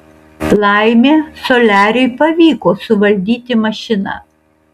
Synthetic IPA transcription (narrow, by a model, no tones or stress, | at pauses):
lˠɑˑɪmʲeːsoːlʲæːɾʲɛɪpɐʋʲiːkoːsʊʋɐlʲd̪ʲiːt̪ʲɪmɐʃʲɪnɑ̰ː